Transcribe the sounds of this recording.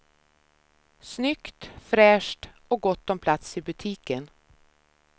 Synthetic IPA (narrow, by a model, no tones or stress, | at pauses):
snʏkt̪fɾɛːʂʈ | ɔɡɔt̪ːɔmpʰlat̪sɪbɵt̪ʰiːkən